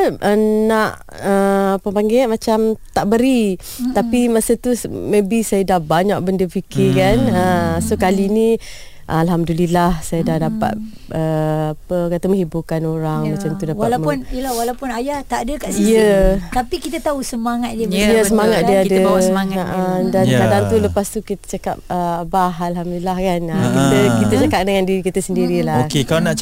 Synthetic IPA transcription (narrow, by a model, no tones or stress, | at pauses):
aʔənaʔ | əpəmpaŋɡiamat͡ʃamt̪aʔbəɾi | t̪apimasət̪usmẽbisajadahbaɲaʔ̚bəndəpikɪkanəsokalini | ʔalɦamdulilahsajadahdapa̰t̪̚ | əapəkat̪amə̃ŋhibukanoɾaŋmat͡ʃamtt̪udaalaməʊnəlawalawpʊnajaht̪aʔadəkaʔsijət̪apikit̪ət̪aɦusəmaŋat̪̚diəjəsəmaŋat̪̚diadəŋaʔədankadaŋt̪uləpast̪ukit̪ə̥t͡ʃaka̰p̚əbaɦalɦamdulilahkanəkit̪əkit̪ət͡ʃakap̚dəŋandiɾikit̪əsəndiɾilaohkekalanaʔ